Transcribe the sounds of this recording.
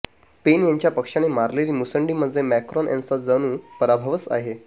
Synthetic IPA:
penjaɲt͡ɕjapəkʂañemaɾleliːmusəɳɖiməd̪ʱd͡zʱemɛkɾɔnjã̰nt͡sad͡zəñũːpəɾabʱəʋət͡sa̰ɦe

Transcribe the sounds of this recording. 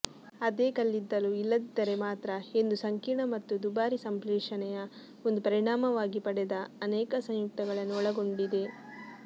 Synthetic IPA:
ɐd̪eːkɐlːid̪ːɐluilːɐd̪id̪ɐɾe̞maːt̪ɾɐe̞nd̪usɐŋkiɳɐmɐt̪ːud̪ubaːɾisɐmplɛːʂɐnɛjɐ | o̞nd̪upɐɾiɳaːmɐʋaːɡipɐɽɛd̪ɐɐnɛːkɐsɐ̃ŋjuk̚t̪ɐɡɐɭɐnːuɔɭɐɡo̞ɳɖid̪e̞

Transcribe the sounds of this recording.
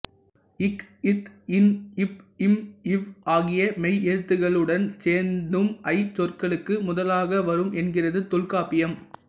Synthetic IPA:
ɪkɪt̪ɪnɪp̚ɪmɪʋʔaːɣɪjɐmɛɪɛɻɯt̪ːɯɣɐɭɯɽɐnseːɾnd̪ɯmɐɪt͡ʃɔrkɐɭɯkːɯmʊðɐlaːɣɐʋɐɾɯmʔɛnɡɪrɐðɯt̪ɔlkaːpɪjɐm

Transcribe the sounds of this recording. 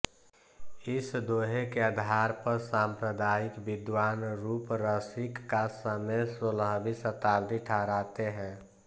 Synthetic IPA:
ɪsd̪oɦekeəd̪ʱaɾpəɾsampɾəd̪aːikbɪd̪waːnɾuːpɾəsikːasəmesoləɦbisət̪aːbd̪ʱiʈʰaɾaːt̪eɦɛ̃

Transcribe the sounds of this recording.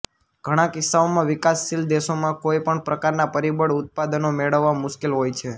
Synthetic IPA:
ɡ̥ʱəɽ̃ãkɪsːaomãʋɪkasːild̪eʃomãkojpəɳpɾəkaɾnapəɾibəɽʊt̪̚pad̪ənomeɭəʋːamʊʃkilɦojt͡ʃʰe

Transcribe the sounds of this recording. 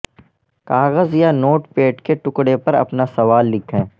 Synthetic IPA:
kaːɣəzjanoːʈpeːʈkeʈʊkɽepɐɾɐ̰pnasɐʋaːlːɪkʰɛ̃ː

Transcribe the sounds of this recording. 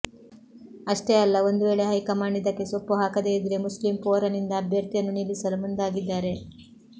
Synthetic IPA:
ɐʂʈeɐlːɐo̞nd̪uʋe̞ːɭe̞ɦɐjkɐmaːɳɖid̪ɐkːe̞sopːuɦaːkɐd̪eid̪ɾe̞muslimpoːɾɐnind̪ɐːbʱjɐɾt̪ijɐnːunilisɐlumund̪aːɡid̪ːaːɾe̞

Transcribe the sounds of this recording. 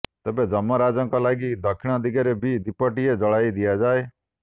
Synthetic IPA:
t̪ɛːbed͡ʒəməɾaːd͡ʒɔ̃ŋkalaːɡid̪ʱəkʰːɪɽ̃ãd̪ɪɡeɾebʱid̪ɪpəʈijed͡ʒəɽaːid̪ɪjad͡ʒaːe

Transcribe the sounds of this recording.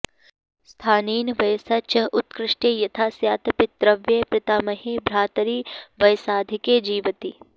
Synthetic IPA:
st̪ʰaːniːnʋɐjsɐt͡ʃɐʔʊt̪kɾɪʂʈeːjɐt̪ʰaːsjaːt̪ɐpɪt̪ɾɐʋjepɾɪt̪aːmɐɦeːbɾaːt̪ɐɾiːʋɐjsaːd̪ʱikeːd͡ʒiːʋɐt̪i

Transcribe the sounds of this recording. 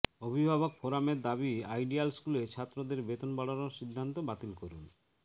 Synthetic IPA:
obʱibʱaβokfʰoɾameɾd̪abiajɖialskulet͡ɕʰat̪ːɾod̪eɾbet̪onbaɽanoɾʃid̪ʱːant̪obat̪ilkoɾun

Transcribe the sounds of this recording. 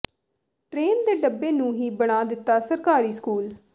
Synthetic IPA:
ʈɾeːnd̪eːɖəbːeːnũːɦiːbəɽ̃aːd̪ɪt̪ːaːsəɾkaːɾiːskuːl

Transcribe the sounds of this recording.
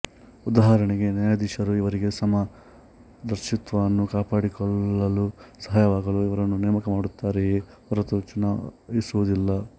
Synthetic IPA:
ud̪aːɦɐɐɾɐɳiɡe̞naːjad̪iʃɐɾuiʋɐɾiɡe̞sɐma | d̪ɐɾʃit̪ʋɐɐnːukaːpaːɽikɔɭːɐlusɐɦaːjɐʋaːɡɐluiʋɐɾɐnːunɛːmɐkɐmaːɽut̪ːaːɾe | ɐɾɐt̪ut͡ʃunaʋisuʋud̪ilːɐ

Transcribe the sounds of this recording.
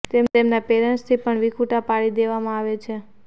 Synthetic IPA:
t̪emt̪emnapeɾənst̪ʰipəɳʋikʰuʈapaɭid̪eʋamãaʋet͡ʃʰe

